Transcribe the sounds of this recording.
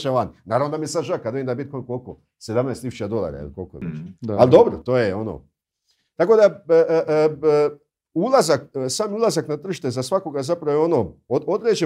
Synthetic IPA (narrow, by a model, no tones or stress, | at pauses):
ʃaʋannaːɾavnod̪amiesad̪ʒakad̪emd̪abit̪konkolko | sed̪amnajst̪isu̥ʃt͡ʃad̪o̞lˠa̰ːɾa̰ḛlˠkolko̰ḭt͡ʃald̪o̞bɾot̪oːjeo̞no̰ | t̪ako̞d̪aʔ | ulˠazaksaːmiulazaknat̪r̩ʃt̪ezasʋako̞ɡazapɾaʋooo̞noood̪ɾeːd͡ʒe